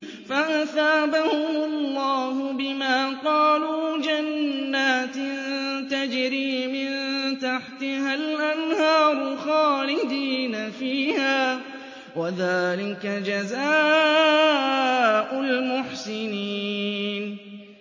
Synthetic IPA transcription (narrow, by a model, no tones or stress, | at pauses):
faʔaθaːbahʊmʊllˤːɑːɦʊbɪmaːqɑːluːd͡ʒanːaːt̪ɪnnt̪ad͡ʒɾiːmɪnt̪aħt̪ɪhalʔanhɑːɾˤʊxɑːlɪd̪iːnafiːhaː | waðaːlɪkad͡ʒazaː | ʔʊlmʊħsɪniːn